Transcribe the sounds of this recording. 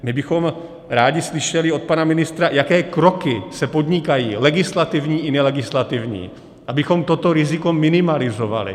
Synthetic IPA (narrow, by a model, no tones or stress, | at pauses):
mɪbɪxo̞m | ɾaːɟɪslɪʃɛlɪo̞t̪̚panamɪnɪst̪ɾajakɛːkɾo̞kɪsɛpo̞d̪ɲɪkajiːlɛɡɪslat̪ɪvɲiːʔɪnɛlɛɡɪslat̪ɪvɲḭː | ʔabɪxo̞mt̪o̞t̪o̞ɾɪzɪko̞mɪnɪmalɪzo̞va̰lɪ̰